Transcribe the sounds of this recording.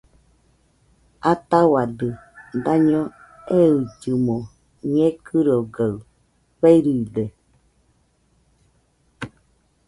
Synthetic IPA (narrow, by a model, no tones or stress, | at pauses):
at̪awad̪ɯ | d̪aɲõ | eɯd͡ʒɨmõ | ɲẽkʰɨɾoɡa | βeiɾide